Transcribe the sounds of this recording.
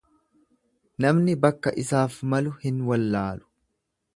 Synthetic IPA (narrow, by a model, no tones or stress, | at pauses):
nɐmnɪbɐkːɐʔɪsaːfmɐlʊhɪnwɐlːaːlʊ̥